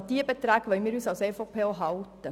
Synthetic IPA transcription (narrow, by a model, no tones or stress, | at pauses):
d̥iəbetɾæːɡ̥ʋœʏmiːɾyːsɑlseːfopʰeːoɦɑltə